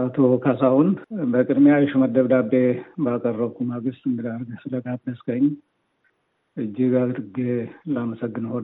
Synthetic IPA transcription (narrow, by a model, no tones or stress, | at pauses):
at̪ʰo̞kʰasahunbəkʼɨd̪mejajɪʃuməd̪əβd̪abːebəakʼərːəβkʰumaɡɨst̪ʼɨŋɡɨd̪aɾɡsɨləɡat̪nəskəɲː | ɨd͡ʒːiɡad̪ɨɾɡelaməsəɡːɨnəhon